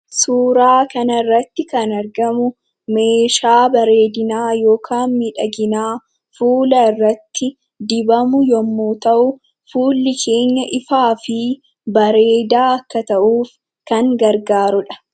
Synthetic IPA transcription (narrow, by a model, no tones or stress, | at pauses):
suːɾaːkɐnɐrːɐt̪ːɪkɐnɐɾɡɐmʊ | me̞ːʃaːbɐɾe̞ːd̪ɪnaːjo̞ːkʰaːnmɪᶑɐɡɪnaː | fuːlɐrːɐt̪ːɪ | d̪ɪbɐmʊjɔmːuːt̪ɐʔʊ | fuːlːɪkʰe̞ːɲːɐʔɪfaːfɪ | bɐɾe̞ːd̪aːɐkːɐt̪ɐʔuːf | kɐŋɡɐɾɡaːɾʊᶑɐ̥